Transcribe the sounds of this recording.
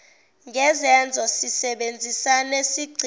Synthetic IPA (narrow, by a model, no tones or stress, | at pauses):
ŋʱɛzɛnd͡zʱɔsisɛɓend͡zʱisanesiɡ͡ǀʱi